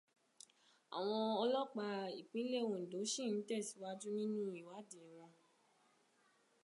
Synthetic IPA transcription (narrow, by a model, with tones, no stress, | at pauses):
a̰˨w̃ɔ̃˧ɔ˧lɔ˦k͡pa˧i˨k͡pĩ˨˦le˦˨wo˨n̩˨do˨˦ʃĩ˦˨n̩˨˦tɛ˦˨si̥˨˦wa˦d͡ʒu˦nĩ˦nũ˦i˦˨wa˨˦dɛ˨w̃ɔ̃˧